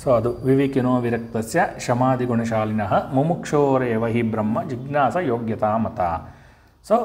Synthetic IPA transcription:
soɐd̪uʋiʋikinoːʋiɾɐk̚t̪ɐsjɐʃɐmaːd̪iɡoɳɐʃ̬aːlinɐɦɐ̆mumukʂoːɾeːʋɐɦibɾɐmːɐd͡ʒiɡnaːsɐjoːɡjɐt̪aːmɐt̪a̰ː | so

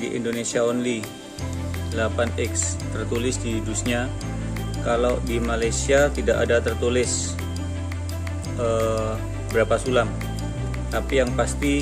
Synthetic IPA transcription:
dḭʔḭndonesiaɔnli | lapanɛkst̪ərt̪ulɪsdidusɲa | kalawdimalajsiat̪idaka̰dat̪ərt̪ulɪs | ə | əbəɾapasulam | t̪apijaŋpast̪i

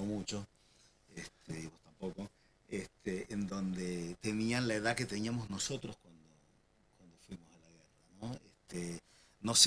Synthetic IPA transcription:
omũt͡ʃo | eht̪ʰeðiɣot̪ampo̞ko | eht̪ʰeːnd̪õ̞nd̪e̞t̪e̞nianlaeðake̞t̪e̞niamo̞zno̞so̞t̪ɾoskwand̪o | kwand̪ofwimosalaɣe̞ranoest̪e | no̞s

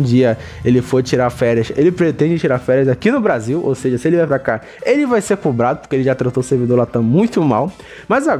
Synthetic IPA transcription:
d͡ʒiɐ | elɪfoɾt͡ʃiɾaɾfɛɾjɐselɪpɾet̪ẽd͡ʒɪt͡ʃiɾafɛɾjɐzakinʊbɾaziwʔo̰wseʒɐsɪelɪvajpɾaka | elɪvajsekobɾad̪ʊpʊ̥keelɪʒat̪ɾat̪oseɾvid̪oɾlat̪ɐ̃mũj̃t̪ʊmaw | mɐza

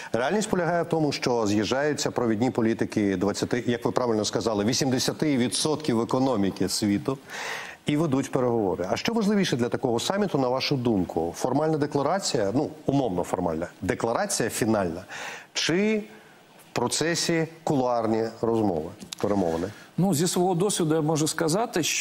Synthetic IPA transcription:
realʲnʲisʲtʲpɔlʲɐɦɑjɛwt̪ɔmʊʃt͡ʃɔzjɐʒɑjʊt͡sʲːɐpɾɔʋʲidʲnʲipɔlʲit̪ɪkɪd̪ʋɐt͡sʲːɐt̪ɪjɐkʋɪpɾɑʋʲɪlʲnɔskɐzɑlˠɪʋʲisʲimd̪esʲɐt̪ɪʋʲid̪sɔt̪kʲiwekɔnɔmʲikɪsʲʋʲit̪ʊ | iʋed̪utʲpeɾeɦɔʋɔɾɪɐʃt͡ʃɔʋɐʒlˠɪʋʲiʃɛd̪lʲɐt̪ɐkɔɦɔsɑmʲit̪ʊnɐʋɑʃʊd̪umkʰʊfɔrmalʲnɐd̪eklˠɐɾɑt͡sʲijɐnuumɔwnɔfɔrmɑ̰lʲnɐd̪eklˠɐɾɑt͡sʲijɐfʲinɑlʲnɐt͡ʃɪ | wpɾɔt̪sɛsʲikʊlˠɑrnʲiɾɔzmɔ̰ʋɪpeɾɛmɔ̰ʋɐnɛnuzʲisʋɔɦɔd̪ɔsʲʋʲid̪ʊjamɔʒʊskɐzɑt̪ɪʃt͡ʃ

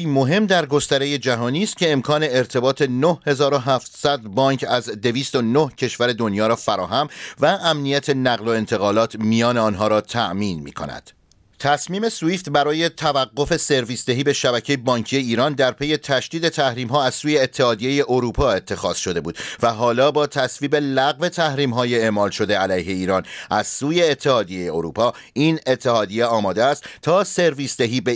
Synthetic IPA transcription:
imo̞ɦe̞md̪æɾɡo̞st̪æɾe̞je̞d͡ʒæɦɒːniːst̪̚cʰʲe̞ːmkʰɒːne̞ːɾt̪ʰe̞bɒːt̪ʰe̞nohhe̞zɒːɾo̞ɦæːft̪sæd̪̚bɒːɲcʰæzd̪e̞viːst̪o̞nohcʰe̞ʃvæɾe̞d̪o̞njɒːɾɒːfæɾɒːɦæmvæʔæmnijæt̪ʰe̞næɣlo̞e̞nt̪ʰe̞ɣɒːlɒːt̪ʰmijɒːne̞ɒːnɦɒːɾɒːt̪ʰæ̰ʔmiːnmḭːkʰo̞̰næ̰d̪̥ | t̪ʰæsmiːme̞suiːft̪bæɾɒːje̞t̪ʰævæɢːo̞fe̞se̞ɾviːsd̪e̞ɦiːbe̞ʃæbæcʰe̞jebɒːɲcʰije̞iːɾɒːnd̪æɾpʰe̞je̞t̪ʰæʃd̪̥iːd̪et̪ʰæhɾiːmɦɒːæz̥suːje̞ːt̪ʰːehɒːd̪ije̞je̞ʔoɾuːpʰɒːe̞t̪ʰːe̞xɒːz̥ʃo̞d̪e̞buːd̪̥væɦɒːlɒːbɒːt̪ʰæsviːbelæɣve̞t̪ʰæhɾiːmɦɒːjee̞ʔmɒːlʃo̞d̪e̞ælæjɦe̞iːɾɒːnʔæz̥suːje̞ːt̪ʰːe̞hɒːd̪ije̞jeoɾṵːpʰɒː | iːne̞t̪ʰːe̞ɦɒːd̪ije̞ɒːmɒːd̪eæst̪t̪ʰːɒːse̞ɾviːsd̪eɦiːbe

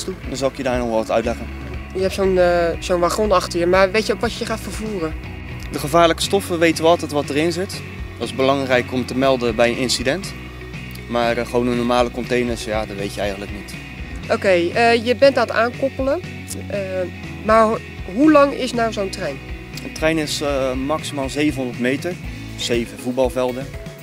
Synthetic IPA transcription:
uzɔɪkjədaːɹnɔχʋɛlˠʋɑtœɥtlɛχən | jəɦɛp̚tsonz̥oːnʋaχonɑχtəjəmaːrʋejtjəowkʋɔtjəχaːtfəɹvuːrə | dəχəvaːɹləkə̥stɔfəʋejtənʋəɑlˠtɛtʋɑtərɪnzɪt | dɑtɪzbəlɑŋrɛjkɔmtəmɛlˠdəbɛjənɪnsidɛnt | maːrχəʋownənːɔɹmaːləkɔntejnəɹsjaːdɑtʋejtjəɛjχənləknit | ʔowkejəjəbɛntata̰ːnkɔpələ | maːɹ | ɦulɑŋɪ̰snawzowntrɛjn | əntrɛjnɪsmɑksimaːlˠzejvənɦɔndəɹtmejtəɹ | z̥ejvənvut̚bɑlˠvɛlˠdən

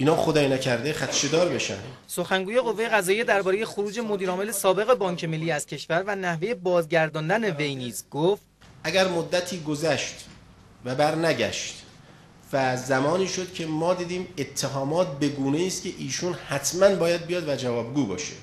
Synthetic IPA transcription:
ʔiːnɒːxod̪ɒːjinæcʰæɾd̪e̞χæt̪ʃe̞d̪ɒːɾbe̞ʃæ̰nd̪̥ | so̞xæŋɡuːje̞ɣʁo̞vːeje̞ɣæzɒːjed̪æɾbɒːɾeje̞xoɾuːd͡ʒe̞mo̞d̪iːɾɒːme̞le̞sɒːbe̞ɣe̞bɒːŋcʰe̞me̞lːiːæz̥cʰe̞ʃvæɾvænæhve̞je̞bɒːzɡɟæɾd̪ɒːnd̪æne̞ve̞jniːzɡoft̪ | ʔæɡæɾmod̪ːæt̪ʰiːɡozæʃt̪ | væbæɾnæɟæ̰ʃt̪ | væzæmɒːniːʃod̪cʰe̞mɒːd̪iːd̪iːmet̪ʰːeɦɒːmɒːt̪̚be̞ɡuːneiːst̪cʲʰe̞ʔiːʃuːnhæt̪ʰmænbɒːjæd̪̚bijɒːd̪væd͡ʒævɒːbɡuːbɒ̰ːʃḛ

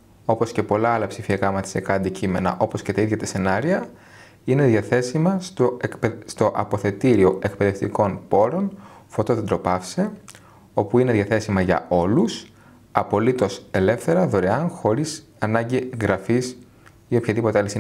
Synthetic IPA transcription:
o̞po̞sce̞po̞lɐɐlɐpsifiɐkɐmɐt̪i̥sekɐɐnd̪icime̞nɐ̰ʔo̞po̞scet̪ɐiðʝɐt̪ese̞nɐɾiɐ | ine̞ðjɐθe̞simɐt̪oekpest̪o̞ʔɐ̰po̞θe̞t̪iɾio̞ʔe̞k̚pe̞ðe̞ft̪iko̞npo̞ɾo̞nfo̞t̪oðed̪ɾo̞pɐfse̞ | o̞puine̞ðʝɐθe̞simɐʝɐ̰o̞lus | ɐpo̞lit̪o̞se̞le̞fθe̞ɾɐðo̞ɾeɐnxo̞ɾis | ɐnɐɲɟiɣɾɐfis | io̞pçɐðipo̞t̪eɐlisi

